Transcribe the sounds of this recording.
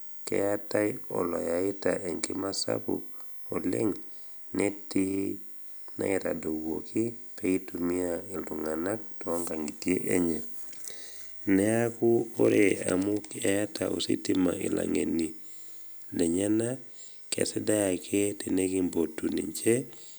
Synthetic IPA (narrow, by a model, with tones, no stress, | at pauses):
kɛ̰˨jata˦jɔ˨lɔ˨ja˨ɪ˦ta̰ʔe˨ŋki˦ma˦sa̰pṵ | o˨lɛ̰˦ŋ | neti | na̰˦ɛ˨ta̰˨do˨wo˨ki˦peitumi˦ai˨ldu˨ŋa˨na˦k̚tɔ˦ŋɡa˨ŋɡi˨tie˦ʔeɲɛ˨ | nɛ˦a˦ku˦o˦ɾea̰˨muka˦ja˦tao˨sḭ˦tima̰˨ʔi˨lʔa̰˨ŋe˨ni˨ | lɛ˨ɲa˦na | kḛ˨sɛ˦da˦ja˨kʰe˦teneki˦mbo˨tu˨ni˨ɲt͡ʃɛ